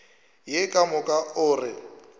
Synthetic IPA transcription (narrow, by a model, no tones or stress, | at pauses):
jɪkʼamʊkʼaʊːrɪ